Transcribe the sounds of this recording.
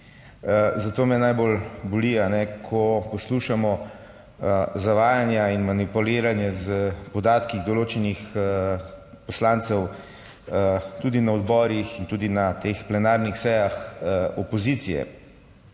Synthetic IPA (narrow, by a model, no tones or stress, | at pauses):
zat̪oːmɛnajbolbɔlianɛkʰɔpɔsluːʃamɔ | zaʋaːjanjainmanipuleːɾanjɛzəpɔd̪aːt̪kiɣd̪ɔloːt͡ʃɛnix | pɔslaːnt̪sɛw | t̪uːd̪inaɔd̪bɔːɾixint̪uːd̪inat̪explɛnaːɾnixsɛjaxɔpɔziːt̪sijɛ̰